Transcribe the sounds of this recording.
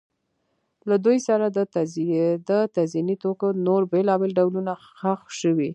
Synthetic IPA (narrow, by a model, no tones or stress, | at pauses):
lad̪ujsaɾad̪ə | d̪ət̪azinit̪okonoɾbelɑbelɖawluna | xaxʃəwi